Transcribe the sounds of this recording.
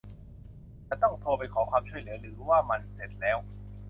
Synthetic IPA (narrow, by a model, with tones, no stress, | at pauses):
t͡ɕa˧˥t̪ɔ˥˩ŋt̪ʰoː˧pa˧jkʰɔː˩˦kʰwaː˧mt͡ɕʰu˥˩əjlɯ˩˦ɐɾɯː˩˦waː˥˩ma˧nse˨˩t̪̚lɛː˦˥w